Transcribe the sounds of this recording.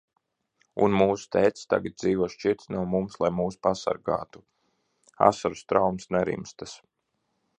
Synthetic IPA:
unmuːst̪ɛjt̪sst̪a̰ɡat̪̚d̪ziːʋuɔʃt͡ʃit̪snuɔmumslˠajmuːspasa̰ɾɡa̰ːt̪u̥ | a̰saɾust̪ɾawmsnɛɾḭmst̪as

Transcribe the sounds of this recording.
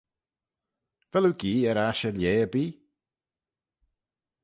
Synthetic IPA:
vɛluɡiːɛɾaʃəljeːəbiː

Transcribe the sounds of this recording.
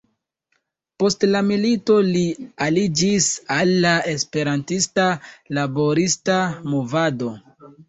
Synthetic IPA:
po̞stlamilito̞lialid͡ʒisalːae̞spe̞ɾantistalabo̞ɾistamovado̞

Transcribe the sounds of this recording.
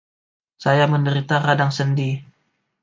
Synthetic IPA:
sajaməndəɾit̪aɾadaŋsəndi

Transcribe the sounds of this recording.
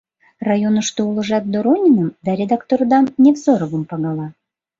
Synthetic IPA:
rɑjonəʃt̪oulˠɤ̆ʒɑt̪̚d̪oɾonʲinəmd̪ɑɾʲed̪ɑkt̪ord̪ɑmnʲevzoɾəβə̆mpɑɣɑlɑ

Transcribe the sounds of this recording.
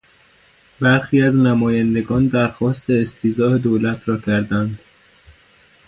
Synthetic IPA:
bæɾxiːæznæmɒːjænd̪e̞ɡɒːnd̪æɾxɒːst̪eːst̪ʰiːzɒːhed̪olæt̪ʰɾɒːcʰæɾd̪ænd̪̥

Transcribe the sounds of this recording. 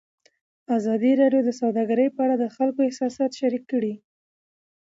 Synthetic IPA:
azɑd̪iɾɑɖjod̪əsawd̪ɑɡaɾəjpəaɽad̪əxalkoɪhsɑsɑt̪ʃaɾikːəɽi

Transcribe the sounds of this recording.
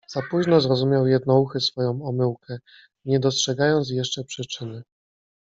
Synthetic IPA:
z̥apuʑnɔzɾɔzumʲjawjɛd̪̚nɔuxɘsfɔjɔ̃w̃ɔmɘwkɛ | ɲɛd̪ɔstʂɛɡajɔnt̪s̬jɛʂt͡ʂɛpʂɘt͡ʂɘnɘ

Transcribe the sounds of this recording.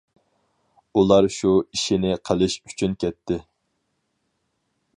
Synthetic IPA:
ulˠɑɾʃuiʃinɪqʰəlˠɪʃy̥t͡ʃʰynkʲʰɛt̪ʰːɪ

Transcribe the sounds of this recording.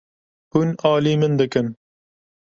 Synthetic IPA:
hunɑːliːmɨnd̪ɨkɨn

